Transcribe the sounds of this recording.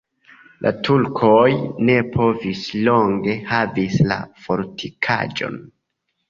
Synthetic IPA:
lʔa̰tʰulkʰojne̞pʰo̞vislo̞ŋɡe̞havisla̰fo̞ɾtʰikʰa̰d͡ʒo̞̰n

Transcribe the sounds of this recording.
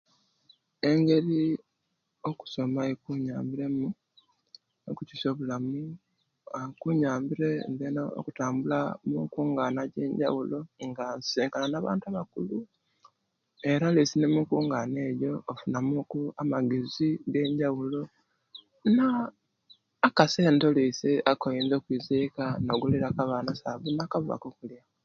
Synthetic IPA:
e̞ŋɡe̞ɾi | o̞ku̥so̞maekuɲaːmbiɾe̞mu | okuciso̞ːβulamu | akuɲaːmbiɾe̞ndenao̰kutaːmbulamuŋkuːŋɡaːnaɟe̞ːɲɟa̰wulo̞ŋɡanseːŋkananaːβa̰ːntuaβakulu | e̞ɾalisinemukuːŋɡane̞ːjo̞ːfunamukuamaɡeziɡe̞ɲɟawulo̞ | na | kase̞ːntoliseakojiːnzoːkwiːzekanoɡuliɾakaβanasaβunaːkaβuβa̰kokulja

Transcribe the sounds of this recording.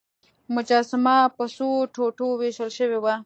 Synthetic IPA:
mʊd͡ʒɑːsɪmapəsoʈʰoʈoweʃəlʃəwewa

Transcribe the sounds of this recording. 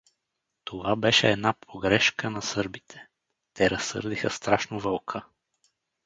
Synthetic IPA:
t̪ovabɛʃɛːd̪napʰoɡɾɛʃkənɐsɤɾbit̪ʰɛ̥ | t̪ɛɾɐsːɤ̰ɾd̪ixəst̪ɾaʃnovəlˠkʰə

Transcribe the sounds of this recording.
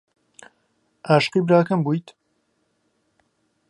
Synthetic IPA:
ʔaːʃqibɾaːkɐmbuːjt̪

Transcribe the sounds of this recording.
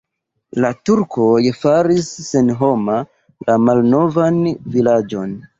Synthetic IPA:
latuɾkojfaɾisːenɦo̞ma | lamalno̞vanvilad͡ʒo̞n

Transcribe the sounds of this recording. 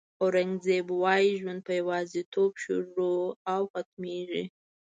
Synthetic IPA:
oɾaŋɡzebwɑjiʒwand̪̚pəjawɑzit̪ʰobʃʊ̰ɾɾoawxat̪̚meʒḭ

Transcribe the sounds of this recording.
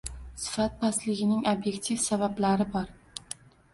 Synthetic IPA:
sɪ̥fat̪̚pʰaslɪɡʲɪnɪŋobje̞kt̪ʰifsabablaɾɪbɒɾ

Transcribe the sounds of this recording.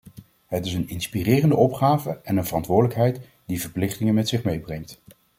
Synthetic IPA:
ɦətɪsənɪnspirɪːrəndəɔpχaːvəɛnənvərɑntʋʊːɹdələkɦɛjt | divəɹplɪχtɪŋəmɛtsɪχmejbrɛŋt

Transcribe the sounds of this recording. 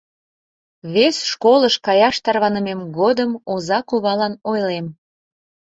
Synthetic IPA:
βesʃkoləʃkɑjɑʃt̪ɑrβɑnəmemɡod̪əmozɑkuβɑlɑnojlem

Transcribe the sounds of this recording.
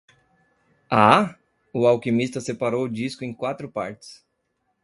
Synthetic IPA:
a | ʊawkimist̪ɐsepaɾowʊd͡ʒiskʊẽkwat̪ɾʊpa̰ɾt͡ʃɪ̥s

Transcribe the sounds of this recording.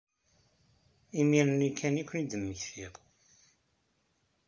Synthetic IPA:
imiɾənikʰːænikʷːnid̪əmːəçθiʁ

